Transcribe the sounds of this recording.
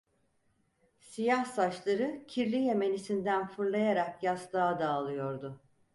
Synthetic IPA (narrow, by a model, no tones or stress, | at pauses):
sijahsat͡ʃlˠaɾɯcʰiɾlʲije̞me̞nisind̪ænfɯɾlˠajaɾakjasd̪aːd̪aːlˠɯjo̞ɾd̪ʊ